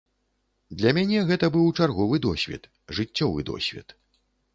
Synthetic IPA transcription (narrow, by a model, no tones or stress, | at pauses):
d̪lʲɐmʲanʲɛɣɛt̪ɐbɨwt͡ʂarɣɔvɨd̪ɔsʲvʲɛ̰t̪ | ʐɨt͡sʲːɔvɨ̰d̪ɔ̰sʲvʲɛ̰t̪